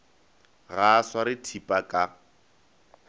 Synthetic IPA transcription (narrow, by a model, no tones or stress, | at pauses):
ɣaswaɾɪtʰipʼakʼa